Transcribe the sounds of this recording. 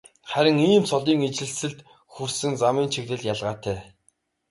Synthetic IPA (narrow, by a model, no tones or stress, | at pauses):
χæɾʲɪ̆ŋiːmsʰɔɮiːŋet͡ɕɘ̆ɮsɘ̆ɮt̪ | xusɘ̆ŋt͡samiːnt͡ɕʰiɣt̪ɘ̆ɮjaɮʁaːt̪ʰæː